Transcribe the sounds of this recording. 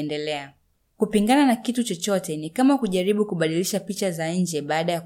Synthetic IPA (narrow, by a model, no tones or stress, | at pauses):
ndɛlɛa | kupiŋɡananakitut͡ʃɔt͡ʃɔtɛnikamakuʄaɾiɓukuɓaɗiliʃapit͡ʃazaɲ̩d͡ʒɛɓaːɗaja